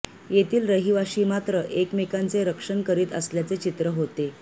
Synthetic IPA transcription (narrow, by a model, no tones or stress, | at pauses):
jet̪iːlɾəɦiʋaɕiːmat̪ɾəʔekmikant͡seɾəkʂənkəɾiːt̪əsljat͡set͡ɕit̪ɾəɦot̪e